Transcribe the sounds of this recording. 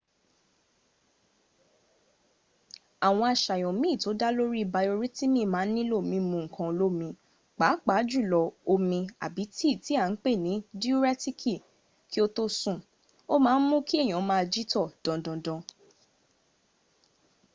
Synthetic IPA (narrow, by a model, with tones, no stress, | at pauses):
a˨w̃ɔ̃˧a˨ʃa˨jɔ̃˨mĩ˨˦˨to˨˦da˦lo˦ɾi˦˨ba˧o˧ɾi˦ti˦mĩ˦˨mãː˨˦nĩ˦lo˦˨mĩ˧mũ˧ŋ̩˨kã˧o˧lo˦˨mĩ˧ | k͡pa˨˦k͡pa˨˦d͡ʒu˦˨lɔ˨˧o˧mĩ˧a̰˨bi˨˦ti˦˨ti˨˦a˦˨n̩˦k͡pe˦˨nĩ˨˦di˦u˦ɾɛ˦ti˦kʰi˦˨ | ki˦o˦to˦sũ˦˨ | o˦mãː˦˧n̩˦mũ˦ki˦e˦˨j̃ã˨˦mãː˦˧d͡ʒi˦tɔ˦˨d̥ɔ̃˨dɔ̃˧dɔ̃˧